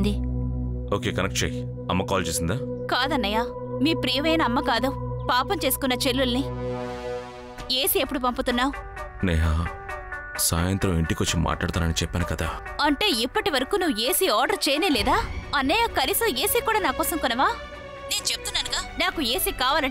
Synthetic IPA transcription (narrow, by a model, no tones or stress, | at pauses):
d̪i | oːke̞ːkɐnɐkʈ̚t͡ʃḛːj | ɐmːɐkaːlt͡ʃeːsind̪aːkaːd̪ɐnːɐjaː | miːpɾijɐʋɐjnɐːmːɐkaːd̪upaːpɐmt͡ʃe̞ːsu̥kunːɐt͡ʃelːulni | e̞ːsiepːuɽupɐmput̪unːaːu | nɛːɦaː | saːjɐnt̪ɾɐmiɳʈikot͡ʃːima̰ːʈɭaːɽt̪aːnɐnit͡ʃɛpːaːnukɐd̪aː | ɐɳʈe̞ːipːɐʈiʋɐɾɐkuːnuʋeːsiaːɾɖɐɾt͡ʃeːjɐneːlɛːd̪aːɐnːɐjakɐlisoːe̞ːsikuːɽaːnaːkɔːsɐŋkɔnːɐʋaː | ne̞ːnut͡ʃep̚ːut̪unːaːnuɡaːnaːkue̞ːsikaːʋaːlɐɳ